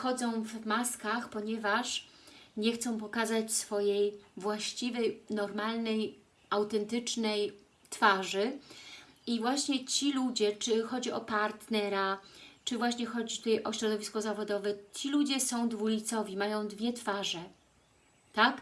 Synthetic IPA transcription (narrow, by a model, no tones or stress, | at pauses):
xɔd̪zɔ̃w̃vmaskaxpɔɲɛvaʂɲɛxt̪sɔ̃w̃p̬ɔkazat͡ɕsfɔjejvwaɕt͡ɕivɛjnɔɾmalnɛj | ʔawt̪ɛnt̪ɘt͡ʂnɛj | t̪faʐɘ | ivwaɕɲɛt͡ɕilud͡ʑɛt͡ʂɘxɔd͡ʑiɔpaɾt̪nɛɾat͡ʂɘvwaɕɲɛxɔd͡ʑit̪ut̪ajʔɔɕɾɔd̪ɔvʲiskɔzavɔd̪ɔvɛt͡ɕilud͡ʑɛsɔ̃w̃d̪vulʲit̪sɔvʲimajɔ̃w̃d̪vʲjɛt̪faʐɛ | t̪ak